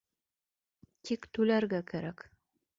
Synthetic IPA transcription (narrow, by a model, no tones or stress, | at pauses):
t̪ʰikt̪ʉlæɾɡækæɾæk